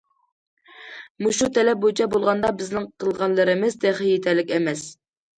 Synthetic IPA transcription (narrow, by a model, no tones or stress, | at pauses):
muʃut̪ʰɛlɛp̚bot͡ʃʰɛbolˠʁɑnd̪ɑbɪznɪŋqʰəlˠʁɑnlˠɨɾɨmɪzt̪ʰɛχijet̪ʰæɾlɪkʲɛmɛs